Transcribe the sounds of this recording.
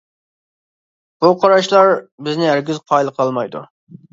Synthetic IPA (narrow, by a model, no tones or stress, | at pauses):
b̥uqʰɑɾɑʃlˠɑɾbɪznɪæɾɡʲizqʰɑjlˠəqʰlˠɑlˠmɑjd̪ṵ